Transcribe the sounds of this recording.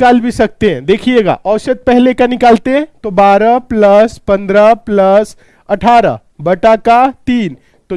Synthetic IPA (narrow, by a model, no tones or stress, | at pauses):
kaːlbʱisɐk̚t̪eɦɛ̃d̪eːkʰieːɡa̰ːʔɔːʃəd̪̚pɛɦlekanɪkaːlt̪eɦɛ̃t̪obaːɾaplɐspɐ̃nd̪ɾaplɐs | ɐʈʰaːɾa̰ | bɐʈaːkat̪iːn | t̪o